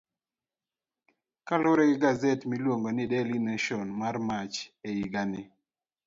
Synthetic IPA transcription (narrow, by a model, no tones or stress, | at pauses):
kalʊɾɛɡɪɡazɛtmilwoŋɡɔnɪdɛlinaʃɔnmarmat͡ʃeiɡanɪ